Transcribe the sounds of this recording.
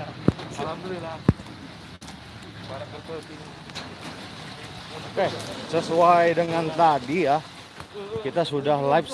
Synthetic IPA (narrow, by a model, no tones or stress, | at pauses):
salamlila | baɾakəpət̪i | kɛhsəsuajdəŋant̪adijah | kit̪asudahlaɪps